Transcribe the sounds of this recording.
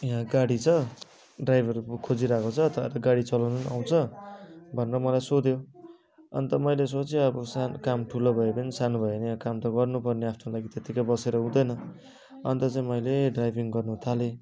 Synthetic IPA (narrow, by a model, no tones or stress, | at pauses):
jɦãɡaɽit͡sʰʌ | ɖrajbʱʌrkʰod͡ziɾakot͡sʰʌt̪ʰʌḛɾʌɡaɽit͡sʌlawnuna̰w̃t͡sʰʌ | bʱʌnerʌmʌlajsod̪jo | ʌ̰nt̪ʌmʌjles̬ot͡sʰiʌbʌsankamʈʰulobʱʌepʌnisanubʱʌenekamt̪ʌɡʌrnupʌrneapʰnolaɡit̪et̪ikajbʌseɾʌɦũd̪ʌjnʌ | ʌnt̪ʌt͡saĩmʌjleɖrajbʱiŋɡʌrnuɦt̪ʰale